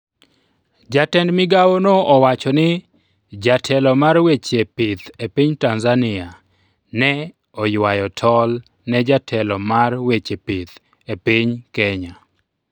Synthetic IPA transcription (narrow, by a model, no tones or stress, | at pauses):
d͡ʒatɛndmɪɡawonoɔwat͡ʃɔnɪ | d͡ʒatʰɛlɔmarwet͡ʃepɪt̪epiɲtanzanɪa | nɛ | ɔjwajɔtʰɔl | nɛd͡ʒatʰɛlɔmarwet͡ʃepit̪ | epiɲkɛɲa